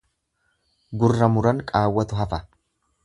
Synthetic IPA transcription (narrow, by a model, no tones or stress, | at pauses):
ɡʊrːɐmʊɾɐŋkʼaːwːɐt̪ʊɦɐfɐ